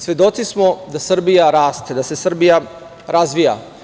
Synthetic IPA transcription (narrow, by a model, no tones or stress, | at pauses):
sʋjed̪o̞t̪sismo̞d̪asr̩bijaɾaːst̪ed̪ase̞sr̩bija | ɾazʋija̰